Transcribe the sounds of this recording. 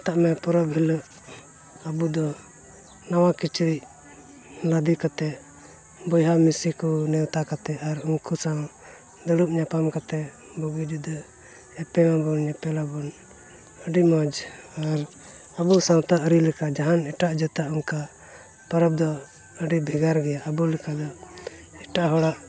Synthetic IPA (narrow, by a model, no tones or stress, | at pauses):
t̪aʔmɛpɔɾɔbɦiləʔ | abud̪ɔ | nawakit͡ʃɾiʔ | lad̪ikat̪ɛ | bɔjɦamisikɔnɛwt̪akat̪ɛaɾuŋkusaw | d̪əɽuʔ̚ɲapamkat̪ɛ | bɔɡud͡ʒud̪ɔ | ɛpɛmabɔnɲɛpɛlabɔn | əɖimɔd͡ʒaɾ | əbusãw̃t̪aʔəɾilɛkad͡ʒaɦanɛʈaʔd͡ʒɔt̪aʔuŋka | pɔɾɔb̚d̪ɔ | əɖibʱɛɡaɾɡɛjaʔəbulikad̪ɔ | ɛʈaʔɦɔɽaʔ